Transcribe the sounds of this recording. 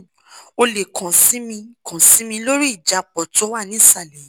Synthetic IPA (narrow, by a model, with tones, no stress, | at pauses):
o˧le˨kʰã˨si˨˦mĩ˧kʰã˨si˨˦mĩ˧lo˦ɾi˦i˦˨d͡ʒa˨˧k͡pɔ˨tɔ˨˦wa˦˨nĩ˦sa˦˨lɛ˨˦